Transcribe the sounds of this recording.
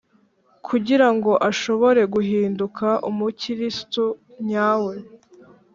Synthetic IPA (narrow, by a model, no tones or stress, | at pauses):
kʰuɟiɾaŋɡo̞ʔaʃo̞βo̞ɾe̞ɡuɦiːndukʰaʔumuciɾistu | ɲaːwe̞